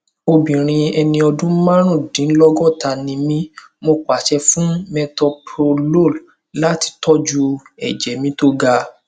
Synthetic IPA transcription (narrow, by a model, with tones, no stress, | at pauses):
o˧bĩ˨ɾ̃ĩ˧ɛ˧nĩ˧ɔ˧dũ˦mã˦ɾ̃ũ˦˨dĩ˨˦lɔ˦ɡɔ˦˨ta˧nĩ˧mĩ˦ | mo˧kʷa˨ʃɛ˧fũ˦mɛ˧tɔ˧pɾo˧lo˦˨l | la˦ti̥˧tɔ˦d͡ʒu˧ɛ̰˨d͡ʒɛ˨mĩ˨˦to˦ɡa˧